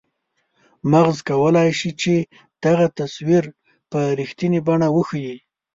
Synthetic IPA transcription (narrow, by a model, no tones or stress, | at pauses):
maɣzkawəlajʃit͡ʃe | d̪̥aɣat̪aswiɾ | pəɾixt̪inibaɳawəxəji